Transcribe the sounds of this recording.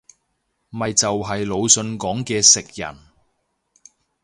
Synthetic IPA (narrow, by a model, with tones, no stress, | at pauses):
mɐ˨jt͡sɐ˨wɦɐ˨jlo˨˧wsɵ˧nkɔː˨˥ŋkɛː˧sɪ˨k̚jɐ̰˨˩n